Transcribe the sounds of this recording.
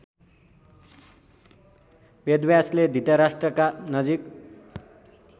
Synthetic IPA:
bʌd̪wjasled̪ʱit̪ʌɾasʈrʌkanʌd͡zik

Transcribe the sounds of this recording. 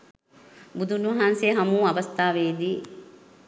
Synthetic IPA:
bud̪ʱunuʋɐɦanseɦɐmuːɐʋɐst̪aːʋeːd̪iː

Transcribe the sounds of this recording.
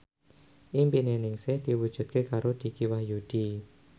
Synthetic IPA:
ʔimpinenɪŋsɪhd̪̥iwud̥ʒ̥ṳt̪̚kekaɾod̪̥i̤kiwahjud̪̥i

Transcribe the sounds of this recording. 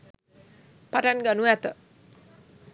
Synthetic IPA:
paʈanɡanuat̪ə

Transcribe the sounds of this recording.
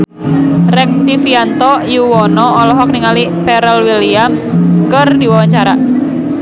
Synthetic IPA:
rɛŋ̚t̪ifiant̪ɔjuwɔnɔːlɔɦɔkniŋalipɛɾɛlwiliam | skərdiwawaɲt͡ʃaɾa

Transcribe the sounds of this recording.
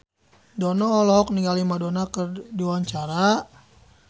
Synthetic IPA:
dɔnɔɔlɔk̚niŋɡalimadonakərdiwaɲt͡ʃaɾa

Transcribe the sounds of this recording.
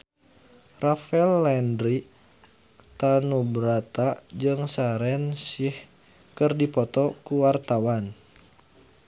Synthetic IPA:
rafɛlːɛndɾi | t̪anubɾat̪ad͡ʒɨŋsaɾɛnsih | kɨrdipɔt̪ɔkuwart̪awan

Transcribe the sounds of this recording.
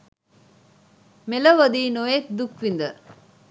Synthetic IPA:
melɐʋɐd̪iːnoek̪̚d̪ukʋind̪ə

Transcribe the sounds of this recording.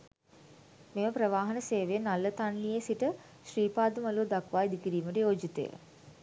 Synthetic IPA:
meməpɾəʋaːɦɐnəseːʋenalːət̪anːijəsiʈə | ʃriːpaːd̪umɐluːd̪akʋaːid̪ikiɾiːməʈəjoːd͡ʒit̪ə̰jə̰

